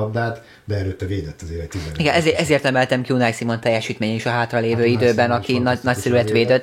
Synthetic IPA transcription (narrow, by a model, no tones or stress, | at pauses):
nd̪aːt̪ | bɛɛløt̪ːɛveːd̪ɛt̪ːɒzeːɾɛct̪iɛiɡɛnɛzeːʔɛzeːrt̪ɛmɛlt̪ɛmkjunajsimo̞nt̪ɛjːɛʃiːt̪meːɲɛiʃɒɦaːt̪rɒleːvøːid̪øːbɛnɒkinɒnɒcsɛɾyɛt̪ʋeːd̪øt̪ː